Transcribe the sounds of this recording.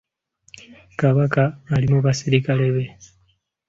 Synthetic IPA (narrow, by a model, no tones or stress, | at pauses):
kaβakaːlimuβasiɾikale̞βe̞